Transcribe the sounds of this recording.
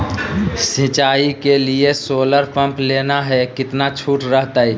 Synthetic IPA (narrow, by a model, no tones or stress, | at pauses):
sɪt͡ʃaːikeliesoːləɾpə̃mpleːnaɦɛkɪt̪nat͡ʃʰuːʈɾəɦt̪ai